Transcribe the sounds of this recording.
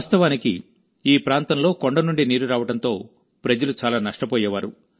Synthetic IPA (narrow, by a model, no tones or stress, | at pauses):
st̪ɐʋaːniki | iːpɾaːnt̪ɐmlo̞ːkoɳɖɐnuɳɖiniːɾuɾaːʋɐʈɐnt̪o̞ː | pɾɐd͡ʒɐlut͡ʃaːlaːnɐʂʈɐpoːjɛːʋaːɾṵ